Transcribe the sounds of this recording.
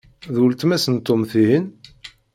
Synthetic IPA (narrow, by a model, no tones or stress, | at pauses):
ðult̪mæsənt̪ːomθiɦin